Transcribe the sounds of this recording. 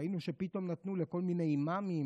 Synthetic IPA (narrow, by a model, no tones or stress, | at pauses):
inuʃepit̪o̞mnat̪nuleko̞lmine̞jmami